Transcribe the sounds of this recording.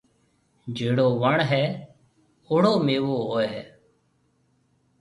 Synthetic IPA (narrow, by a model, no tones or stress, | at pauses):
d͡ʒʱeːɽoːʋəɳɦɛː | oːɽoːmeːʋoːɦoːeɦɛː